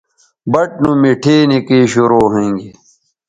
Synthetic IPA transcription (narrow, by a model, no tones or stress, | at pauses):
bɐʈ̚nũmeʈʰeːnekeːɕoɾoːɦẽŋɡe